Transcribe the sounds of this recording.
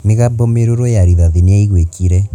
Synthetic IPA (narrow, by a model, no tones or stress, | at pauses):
meɣabɔmeɾoɾwojaɾiðaðineaiɣwekiɾɛ